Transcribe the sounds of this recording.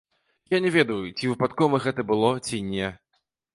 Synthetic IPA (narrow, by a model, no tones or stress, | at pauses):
janʲɛvʲɛd̪ɐjut͡sʲivɨpat̪kɔvɐɣɛt̪ɐbɨlˠɔt͡sʲinʲɛ